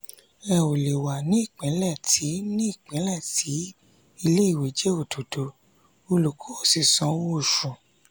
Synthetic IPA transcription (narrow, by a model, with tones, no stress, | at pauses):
ɛ˧˨o˨le˨wa˨nĩ˨˦i˦˨k͡pɛ̃˨˦lɛ˦˨tʰi˨˦nĩ˦i˦˨k͡pɛ̃˨˦lɛ˦˨tʰi˨˦ | i˧le˦i˦˨we˨˦d͡ʒe˦o˦˨to˨do˨˦ | o˧lu˨ko˨˦o˦˨si˨sɔ̃˧˦wo˦˨ʃũ˨